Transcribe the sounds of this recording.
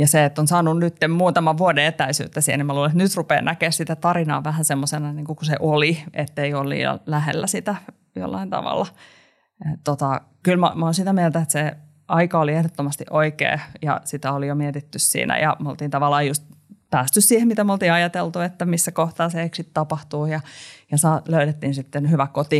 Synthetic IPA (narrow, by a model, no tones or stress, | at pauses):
jɑseet̪ːonsɑːnunnyt̪ːemmuːt̪ɑmɑʋʋuodeet̪æisy̰ːt̪ːæsihnimæluːleet̪nyt̪rupḛːnʔækeːssit̪æt̪ɑrinɑ̰ːʋæhænsemːosenɑniːŋkukuseʔoliʔet̪ːeiolːḭːɑ̰læhḛlːæsit̪æ | jo̰lːɑ̰int̪ɑ̰ʋɑ̰lːɑ | et̪ot̪ɑ | kylmo̰moːnsit̪æmielt̪æet̪se | ɑikɑoliehɾot̪ːomɑst̪iʔoikḛːjɑ̰sit̪æolijomiɛt̪it̪ːyssḭːnæ̰jɑ̰molt̪iːnt̪ɑʋɑlːˑɑːjust̪̚ | pæːst̪yssiːhemit̪æmolt̪iːɑjɑt̪elt̪uet̪ːæmisːækoht̪ɑːseeksit̪t̪ɑpɑht̪uːjɑjɑsɑːløyɾet̪ːiːnsit̪ːenhyʋækot̪iː